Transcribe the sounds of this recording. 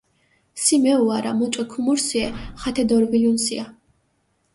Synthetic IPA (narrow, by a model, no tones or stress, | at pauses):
simɛuaɾamut͡ʃʼwɛkʰumuɾsiɛχat̪ʰɛd̪ɔɾvilunsia